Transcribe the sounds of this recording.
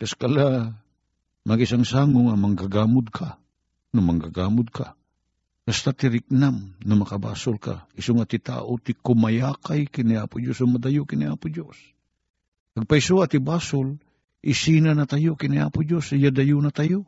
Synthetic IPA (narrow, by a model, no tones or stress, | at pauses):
kɐskɐla | mɐɡɪsaŋsaːŋʊŋamɐŋɡaɡaːmʊd̪̚kʰa | namɐŋɡaɡaːmʊd̪̚kʰa̰ | kast̪at̪ɪɾɪk̚namnɐmɐkaba̰ːsʊlka̰ɪsoŋat̪ɪt̪a̰ːʔot̪ɪkʊmajaːkajkɪnɪʔaːpʊd͡ʒosʊmɐd̪ajʊkɪnɪʔaːpʊd͡ʒos | pɐɡ̚paɪsoat̪ɪbaːsʊl | ʔɪsinanat̪ajokɪnɪʔa̰ːpʊd͡ʒosjad̪ɐjʊnat̪ajo